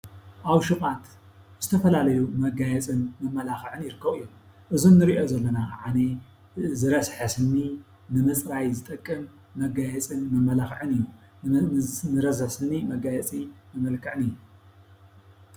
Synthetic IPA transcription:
ʔaβʃɨχʼat̪ | z̥ɨt̪ʰɐfɐlalɐjumɐɡajɛt͡sʼɨnmɐmːɐlaxʕɨnjɪɾɨkʰːɐɣɨjːom | ʔɨzunːɨɾiʔo̞zɐlːɐnaʕane | zɨɾɐsħɐsɨnːi | nɨmɐt͡sʼɾajzɨt̪ʼɐkʼːɨmː | ɐɡajɛt͡sʼɨnmɐmːɐlaxʕɨnɨjːu | nɨɾɐzħsɨnːimɐɡajɛt͡sʼimɨmɐlkʰɨʕɨnɨjːu

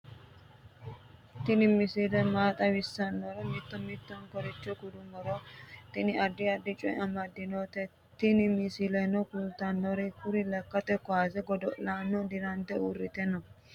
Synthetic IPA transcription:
t̪ɪnɪmɪsɪlɛmaːt̪ʼɐwɪsːɐnːɔɾɛmɪt̪ːɔmɪt̪ːɔnkɔɾɛt͡ʃːɔkʊd̪ʊmɔɾɔt̪ɪnɪɐd̪ːɪɐd̪ːɪt͡ʃʼɔjɐmɐd̪ːɪnot̪ɛ | t̪ɪnɪmɪsɪlɛnɔkult̪ɐnːɔɾɛkʊɾɪlɐkːɐt̪ɛkɔaːzɛɡɔd̪ɔʔlaːnːɔd̪ɪɾɐnt̪ɛurːɪt̪ɛnːɔ

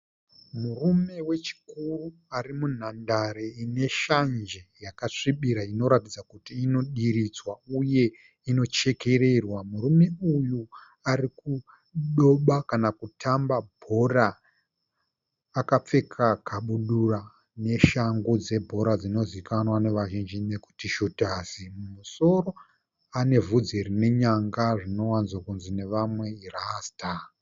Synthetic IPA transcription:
murume̞we̞t͡ʃi̥kuruarimun̤andaɾeine̞ʃand͡ʒejakaʂiɓiɾaino̞ɾatid͡zakutiːno̞ɗiɾid͡zwauje̞ | ino̞t͡ʃe̞ke̞ɾe̞rwamurume̞uju | ariku | ɗo̞ɓakanakutʰambabʱo̞ra | kap͡fe̞kʰakaɓuɗura | ne̞ʃaŋɡud͡ze̞bʱo̞ɾad͡zino̞zikanwane̞ʋaʒind͡ʒine̞ku̥tiʃutaːsimumuso̞ro̞ | ane̞vud͡zerine̞ɲaŋɡaʐino̞wanzwakunzine̞ʋamwe̞irasta

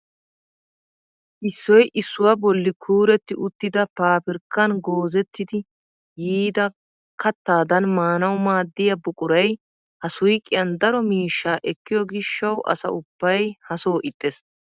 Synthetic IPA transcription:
ʔɪsːɔjʔɪsːʊwɐbɔlːɪkʰuːɾɛt̪ːɪʔʊt̪ːɪd̪ɐpaːpɪɾkːɐnɡoːzɛt̪ːɪd̪ɪ | jiːd̪ɐ | kʰɐt̪ːaːd̪ɐnmaːnɐwmaːd̪ːɪjɐbʊkʼʊɾɐj | hɐsʊjkʼːɪjɐnd̪ɐɾɔmiːʃːaːʔɛkːɪjɔɡɪʃːɐwʔɐ̰sɐ̰ʊb̥ːɐjhɐsoːʔɪt̪ʼːɛs

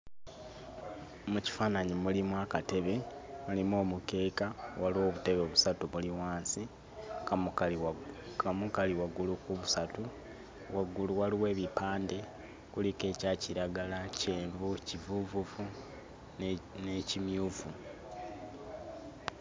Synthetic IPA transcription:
muci̥faːnaɲimulimwakate̞βe̞mulimo̞ːmuke̞ːkawaliwo̞βute̞βeoβusatuβuliwaːnsi | amukaliwaɡulukuβusatu | waɡuluwaliwe̞ːβipaːnde̞ | kulike̞ːcaːciɾaɡalace̞ːɱvucivuvuvu | necimjuːvu

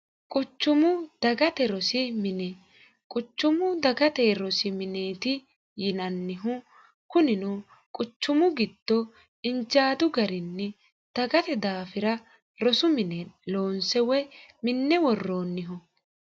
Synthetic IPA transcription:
kʼʊt͡ʃːʊmʊd̪̥ɐɡɐt̪ɛɾɔsɪmɪnɛ | kʼʊt͡ʃːʊmʊd̪ɐɡɐt̪ɛɾɔsɪmɪneːt̪ɪ | jɪnɐnːɪɦʊ | kʊnɪnɔ | kʼʊt͡ʃːʊmʊɡɪd̪̥ːɔ | ɪnd͡ʒaːd̪ʊɡɐɾɪnːɛ | d̪̥ɐɡɐt̪ɛd̪aːfɪɾɐ | ɾɔsʊmɪnɛloːnsɛwɛmɪnːɛwɔrːo̞ːnːɪɦʊ

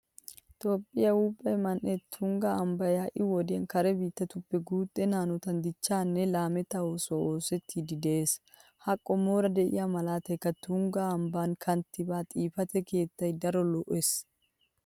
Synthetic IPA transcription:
t̪ʼoːpʼːɪjɐwuːpʼːɐjmɐnʔɛt̪ʰʊŋɡaɐmbɐjaːʔɪwɔd̪ɪɐnkɐɾɛbiːt̪ːɐt̪ʊpːɛɡuːt̪ʼːɛnaːnɔt̪ɐnd̪ɪt͡ʃːaːnːɛlaːmɛt̪ɐwosoːsɛt̪ʰːid̪ɪd̪ɛʔeːs | hɐkʼːɔmoːɾɐd̪ɛʔɪ̰jɐmɐlaːt̪ɐjkɐt̪ʊŋɡaɐmbaːŋkʰɐnt̪ːɪbaːt̪ʼiːfɐt̪ɛkeːt̪ːɐjd̪ɐɾɔlɔʔes

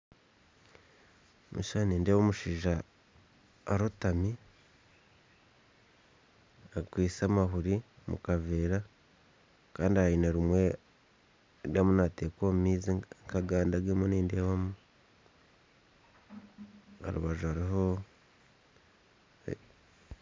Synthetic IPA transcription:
mṵʃaniːndewomuʃiːʒa | ɾotami | akwiːsamaɦuɾimṵkaveːɾa | kaːndiaineɾimwe̞ | ɾwjamunateːkommiːziŋkaɡaːndaɡemuniːndewamu | a̰ɾṵβaʒuaɾiɦo

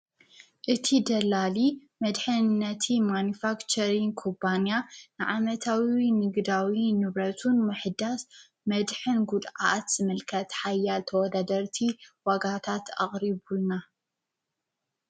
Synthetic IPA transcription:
ʔɨt̪ʰid̪ɐlalimɐd̪ħɨnːɐt̪ʰimanifakt͡ʃʰɐɾinkʰopʰanjanɨʕamɐt̪ʰawinɨɡd̪awinɨβɾɐt̪ʰunmɨħɨd̪as | mɐd̪ħɨnɡud̪ʕa̰t̪z̥ɨmɨlkʰɐt̪ħajːalt̪ʰɐwɔd̪ad̪ɐɾt̪ʰiwaɡat̪ʰat̪a̰χʼɾiβulna

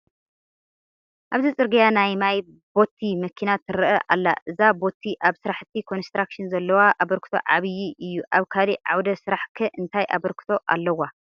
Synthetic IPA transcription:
ʔaβzɨt͡sʼɨɾɡijanajmaj | bo̞t̪ʰːimɐkʰinat̪ʰɨɾɨʔɐʔa̰lːa̰ʔɨzabo̞t̪ʰiʔaβsɨɾaħɨt̪ʰːikʰo̞nst̪ɾakʃinzɐlːɐwaʔaβɐɾkʰɨ̥t̪ʰo̰ʕaβɨjiʔɨjːuʔaβkʰaliʕawd̪ɐsɨɾaħkʰɨʔɨnt̪ʰajʔa̰βɐɾkʰɨ̥t̪ʰo̞ʔa̰lːɐwa

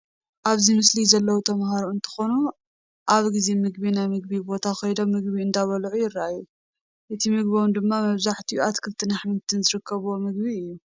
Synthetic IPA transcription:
ʔaβzimɨslizɐlːɐwut̪ʰɐmhaɾoɨnt̪ʰɨ̥xo̞nu | ʔaβɡizemɨɡ̚binajmɨɡ̚bibo̞t̪ʰaxɐjd̪o̞mːɨɡbiɨnd̪aβɐlʕujɪrːaʔajːu | ʔɨt̪ʰimɨɡbowɨnd̪ɨmːamɐβzaħt̪ʰiuat̪kʰɨlt̪ʰɨnaħmɨnt̪ʰɨnzɨɾɨkʰːɐβwomɨɡ̚biɨjːu

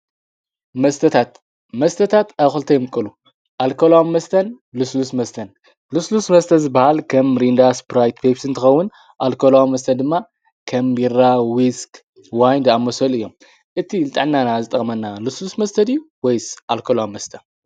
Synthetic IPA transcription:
mɐst̪ʰɐt̪ʰat̪ | mɐst̪ʰɐt̪ʰat̪axɨlt̪ʰɐjmɨkʼːɨlu | ʔalkʰolawmːɐst̪ʰɐn | luslusmɐst̪ʰɐn | luslusmɐst̪ʰɐzɨbahalkʰɐmɾind̪aspɾajt̪pʰepsɨnt̪ʰɨxɐwːʊn | ʔalkʰolawmɐst̪ʰɐd̪ɨmːa | kʰɐmbiɾawisk | wajnd̪amːɐsɐlɨjːo̞m | ʔɨt̪ʰilɨt̪ʼɨʕnːanazɨt̪ʼɐxʼmɐnːaluslusmɐst̪ʰɐd̪ju | wɔjsʔalkʰolawmːɐst̪ʰɐn

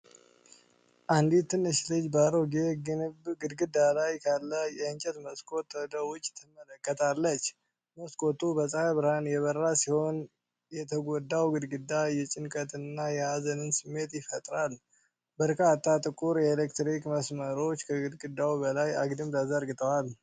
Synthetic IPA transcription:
ʔand̪it̪ʰːɨnɨʃlɨd͡ʒbaɾoɡeɡɨnɨbɡɨd̪ɡɨd̪alajkʰalːəjɛɨnt͡ʃʼɛt̪məskʼo̞t̪wɔd̪əwʊt͡ʃʼːt̪ʰɨmələkʼːət̪ʰalːət͡ʃː | məskʼo̞t̪ubəsʼaaβɨɾhanjɛβəɾasiho̞n | jɛt̪ʰəɡod̪ːawɡɨd̪ɡɨd̪ːajɛt͡ʃʼɪnkʼət̪ɨnːajɛazənɨnsɨmːe̞t̪jɪfət̪ʼɾal | bəɾkat̪ʰʼːat̪ʼɨkʼuɾjɛelekt̪ɾikməsməɾo̞t͡ʃːkʰəɡɨd̪ɡɨd̪ːawubəlaja̰ɡd̪ɨmd̪azəɾɡɨt̪ʰʼəwal

